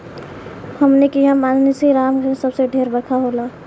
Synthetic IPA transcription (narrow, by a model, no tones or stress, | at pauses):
həmnekiɦamaːnnesiɾaːmɡʱəɾsəbseɖʱeːɾbəɾkʰaɦoːlaː